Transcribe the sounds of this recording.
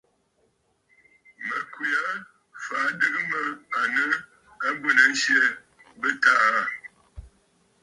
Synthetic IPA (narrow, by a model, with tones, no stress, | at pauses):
mə˨kwi˨a˦ | fa˨˦dɨ˦kə˦mə˦a˨nə˦ | a˦bu˦˨nə˨˦n̩˦ʃje˦ | bə˦ta˦ʔa˦˨